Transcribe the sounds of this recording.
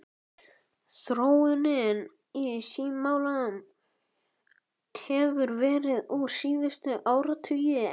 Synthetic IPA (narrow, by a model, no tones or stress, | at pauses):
θɾoːwɪnɪn | ɪsiːmaːwlaʏm | hɛvʏɾvɛːɾɪðusiːðʏst̪ʏʔaːwɾat̪ʰʏjɪ